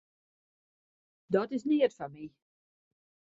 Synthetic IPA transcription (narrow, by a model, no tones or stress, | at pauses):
dɔtɪsniərfanmi